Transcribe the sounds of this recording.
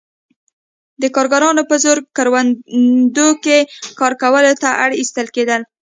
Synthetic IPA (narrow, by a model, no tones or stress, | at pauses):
d̪əkɑɾɡɑɾɑnopəzoɾɡ̚kaɾwand̪okekɑɾkawəlot̪aʔaɽist̪əlked̪əl